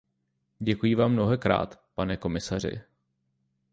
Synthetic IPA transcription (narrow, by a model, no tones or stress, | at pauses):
ɟɛkujivaːmːno̞ɦɛkɾa̰ːt̪panɛko̞mɪsar̝ɪ̰